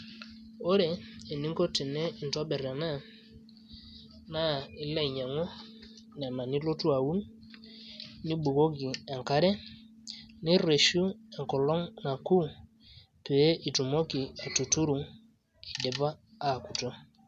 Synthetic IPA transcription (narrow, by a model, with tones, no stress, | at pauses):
o˦ɾeː˨ni˦ŋkɔ˦ti˨nɛ˦i˨ntɔ˦ɓɛ˨ɾɛ˨na˦˨ | na˦˨i˨˦la˦i˨ɲa˨ŋɔ˦ | nɛ˨na˨ni˦lo˦tu˦a˨wu˦n | ni˦ɓu˨ɡo˦ɡi˨ɛ˨ŋka˦ɾɛ˦ | ni˦re˨ʃu˦ɛ˨ŋkɔ˨lɔ˦ŋna˨ku˦ | pe˨˦ʔi˨tu˨mo˦ki˨a˨tu˨tu˦ɾu˨ŋ | i˨de˨baː˦˨ku˨tɔ˦